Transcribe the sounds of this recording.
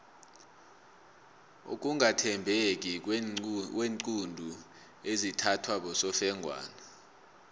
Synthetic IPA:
o̰k̬ʼuŋatʰɛmbʱek̬ʼi | weːŋǀundʱu | ezitʰatʰwaɓɔsɔfɛŋɡʱwa̰ːna

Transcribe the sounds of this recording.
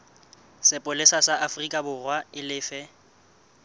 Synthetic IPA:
sɪpʼʊlɪsasaʔafrikʼabʊrwaɪlɪːfɛ

